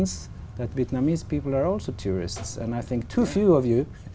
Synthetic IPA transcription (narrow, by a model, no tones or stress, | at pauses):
ns | ðætviɛtnamizpipl̩ˠə˞ɔlˠsoʊtʰʊɹɪ̰stsɛ̰̃naɪθɪ̃ŋk̚tʰufjʉɔvjʉ